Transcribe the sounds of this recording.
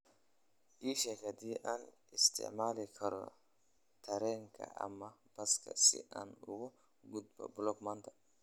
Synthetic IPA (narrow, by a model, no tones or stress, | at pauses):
ʔiːʃɐkɐd̪iːʔɐn | ɪst̪ɪ̰ʔmaːlɛkʰɐɾɔ̰ | t̪ʰɐɾɛŋkʰɐ̰ɐ̰mːɐb̥ɐskɐ̰sɪ̰ʔɐ̰nʊwɔ | ɡʊd̪̚bɐ̰bʊlɔkmɐnt̪ɐ̥